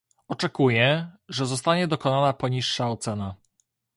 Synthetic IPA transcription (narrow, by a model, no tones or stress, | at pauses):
ɔt͡ʂɛkujɛʐɛzɔst̪aɲɛd̪ɔkɔnanapɔɲiʂːaɔt̪sɛna